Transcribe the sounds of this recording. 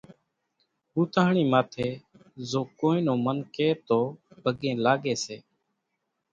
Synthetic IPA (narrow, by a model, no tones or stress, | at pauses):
ɦuːt̪aːɳiːmaːt̪ʰeː | zoːkoːĩːnõːmənkeːt̪oːbʱəɡẽːlaːɠeːseː